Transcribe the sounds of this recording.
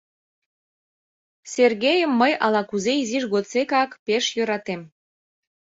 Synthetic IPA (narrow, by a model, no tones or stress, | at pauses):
serɣejəmːəjɑlɑkuzeiziʃɣot̪t͡sekɑkpeʃjøɾɑt̪em